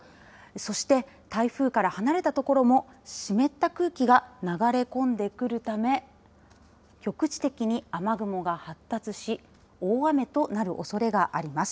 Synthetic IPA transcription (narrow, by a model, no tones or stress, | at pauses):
so̞ɕi̥t̪e̞ | t̪aiɸɯ̟ːkaɾahanaɾe̞t̪at̪o̞ko̞ɾo̞mo̞ | ɕime̞t̪ːakɯ̟ːkʲiɡanaɡaɾe̞kõ̞nd̪e̞kɯ̟ɾɯ̟t̪ame̞ | kʲo̞kɯ̟t͡ɕi̥t̪e̞kʲiɲ̟iamaɡɯ̟mo̞ɡahat̪ːat͡sɨɕi | oːame̞t̪o̞naɾɯ̟̰ʔo̞so̞ɾe̞ɡaʔaɾʲimasɨ̥